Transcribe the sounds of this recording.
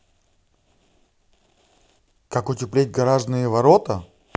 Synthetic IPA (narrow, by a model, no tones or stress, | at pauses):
kakʊtʲɪplʲet̚ʲɡɐɾaʐnɨjəvɐɾot̪ə